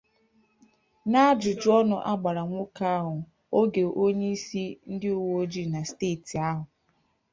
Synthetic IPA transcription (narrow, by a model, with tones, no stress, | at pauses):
na˦d͡ʒʊ˨d͡ʒʊ˦ɔ˦nʊ˦ʔa˦ɡ͡ba˨ɾa˨ŋʷʊ˦ka˦a˦ɦʊ˨ | o˦ɡe˨ʔo˦ɲe˦i˦si˦n̩˦dɪ˦u˨wo˦o˦d͡ʒi˦na˨steː˦˨ti˨a˦ɦʊ˨